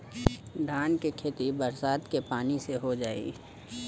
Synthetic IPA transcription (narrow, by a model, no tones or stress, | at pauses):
ɖ̪ʱaːnkekʰeːt̪ibɐɾsaːt̪kepaːniseɦod͡ʒaːḭ